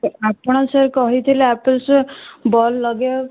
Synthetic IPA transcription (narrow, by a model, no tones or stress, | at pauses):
apɔɽ̃ɔseɾkɔɦit̪ʰileapəlsubɔlːɔɡe